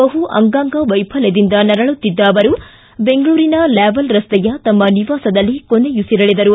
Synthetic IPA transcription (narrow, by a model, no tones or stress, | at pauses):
bɐɦuʔɐ̰ŋɡaːŋɡɐʋɐjpʰɐled̪ind̪ɐnɐɾɐɭut̪ːid̪ːaːʋɐɾu | be̞ŋɡɐɭuːɾinɐleːbɐlɾɐst̪ɛjɐt̪ɐmːɐniʋaːsɐd̪ɐlːikonejusiɾɐɭid̪ɐɾu